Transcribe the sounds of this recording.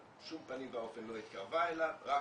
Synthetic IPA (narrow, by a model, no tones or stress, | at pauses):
ʃumpanimvaofenloit̪̚kaʁvaelavʁa